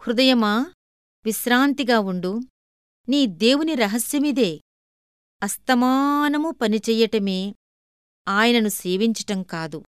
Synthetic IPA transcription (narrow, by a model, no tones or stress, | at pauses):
hɾud̪ɐjɐmaː | ʋiʃɾaːnt̪iɡaːuɳɖu | niːd̪e̞ːwuniɾɐɦɐsjɐmid̪e̞ː | ɐst̪ɐmaːnɐmupɐnit͡ʃɛːjɐʈɐmeː | aːjɐnɐnuse̞ːʋiɲt͡ʃɐ̥ʈɐmkaːd̪u